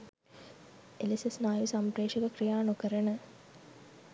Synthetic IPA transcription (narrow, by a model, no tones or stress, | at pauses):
elisesnaːjusampreːʃɐɡəkrijaːnukəɾənə